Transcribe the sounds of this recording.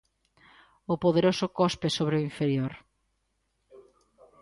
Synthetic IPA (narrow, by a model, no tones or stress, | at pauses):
ʊpoðeɾosʊkɔspesoβɾeoiɱfeɾjoɾ